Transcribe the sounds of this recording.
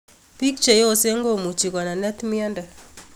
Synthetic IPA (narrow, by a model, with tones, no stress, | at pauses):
pi˦k̚t͡ʃe˨jo˦˨se˦ŋɡo˦mu˨t͡ʃi˨kɔ˨na˨nɛ˦t̪mi˦a˦nda˨